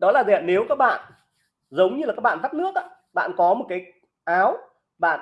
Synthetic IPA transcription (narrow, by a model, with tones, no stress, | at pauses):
ɗɔ˨˦laː˨˩zḭ˨˧˨ne˨˦wkaː˦˥k̚ɓa̰ː˧˨n | zə˨˦wŋ͡mɲɨ˧la˨˩kaː˦˥k̚ɓaː˧˨zaː˦˥k̚nɨ˦˥ək̚ʔaː˧˦ | ɓa̰ː˧˨nkɔ˨˦mo˨˩t̚kaː˨˦j | ʔaː˨˦w | ɓa̰ː˧˨n